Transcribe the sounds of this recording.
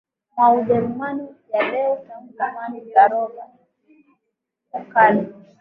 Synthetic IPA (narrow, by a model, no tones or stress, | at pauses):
maud͡ʒɛɾumanujalɛsamukamaniaɾɔɡa | akali